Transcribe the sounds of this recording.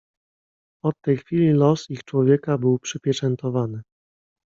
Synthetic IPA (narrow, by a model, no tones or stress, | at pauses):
ɔt̪ːɛjxfʲilʲilɔsixt͡ʂwɔvʲjɛkabɘwpʂɘpʲjɛt͡ʂɛnt̪ɔvanɘ